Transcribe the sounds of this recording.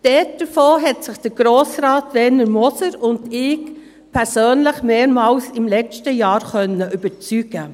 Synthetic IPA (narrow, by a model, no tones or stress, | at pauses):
d̥ɛt̚d̥əfoːɦɛtsɪχd̥əɾɡ̥ɾoːsɾaːtʋɛnəɾmɔsəɾʊndɪːk | pʰɛɾsøːnləχmeːɾmɑːlsɪmlɛt͡stəjɑːɾχœnːəʔyb̥əɾt͡syɡ̥ə